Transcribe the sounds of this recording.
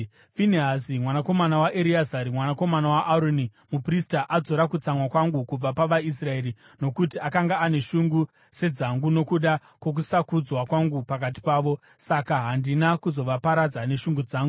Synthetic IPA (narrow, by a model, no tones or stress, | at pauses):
finiasimwanako̞manawaʔeɾiazaɾimwanako̞manawaʔaɾoni | mupristaʔad͡zo̞ɾakut͡samwakwaŋɡukub͡vapaʋais̬rae̞ːɾi | no̞kutiakaŋɡaːne̞ʃuŋɡu | se̞d͡zaŋɡuno̞kuɗa | kwo̞k̬usakud͡zwakwaŋɡupak̬at̬i̥paːʋo̞ | sakaɦandinakuzo̞ʋapaɾad͡zane̞ʃuŋɡud͡zaːŋɡu